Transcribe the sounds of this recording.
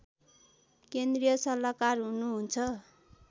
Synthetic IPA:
kend̪rijʌsʌlakarɦunuɦunt͡sʰʌ

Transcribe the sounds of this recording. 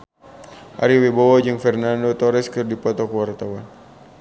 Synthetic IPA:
ʔa̰ɾiwebowɔd͡ʒɨŋfɛrnandot̪ɔɾɛskɨrdipɔt̪ɔkəwart̪awan

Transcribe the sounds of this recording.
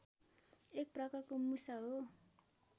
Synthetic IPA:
ek̚prakarkomusaɦo

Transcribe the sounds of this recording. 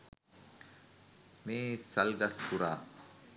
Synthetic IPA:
meːsɐlɡɐskuɾaː

